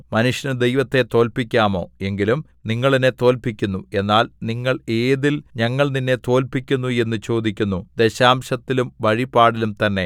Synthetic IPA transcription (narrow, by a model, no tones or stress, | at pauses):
mɐnuʂjɐnɐd̪e̞jʋɐt̪ːe̞t̪o̞ːlpikʲːaːmo̞ːe̞ŋɡilum | niŋːɐɭine̞t̪o̞ːlpikʲːunːue̞nːaːlniŋːɐɭe̞ːðilɲɐŋːɐɭninːe̞t̪o̞ːlpikʲːunːue̞nːut͡ɕo̞ːd̪ikʲːunːud̪e̞ɕaːmɕɐt̪ːilumʋɐɻipːaːɽilumt̪ɐnːe̞